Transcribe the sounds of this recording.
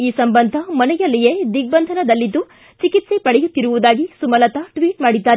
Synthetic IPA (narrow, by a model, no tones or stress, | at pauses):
iːsɐmbɐnd̪ʱɐmɐnɛjɐlːijed̪iɡ̚bɐnd̪ʱɐnɐd̪ɐlːid̪ːu | t͡ʃikit̪sepɐɽɛjut̪ːiɾuʋud̪aːɡisumɐlɐt̪ɐʈʋiːʈmaːɽid̪ːaːɾ